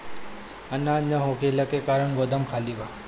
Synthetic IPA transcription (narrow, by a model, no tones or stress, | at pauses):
ɐnaɲəɦokʰeləkekaːɾəɳɡod̪əmkʰaːliʋa